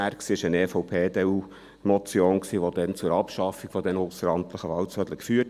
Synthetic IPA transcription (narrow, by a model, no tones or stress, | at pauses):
æɾksiːɪʃənefɔʊpʰeːd̪ɛu | mɔt͡sjoːnksiːʋod̪ɛnt͡sʊɾɑpʃɑfiɡ̥fɔd̪ɛnosəɾɑnt̪ləχəʋɑlsœd̥̪ləkfyːə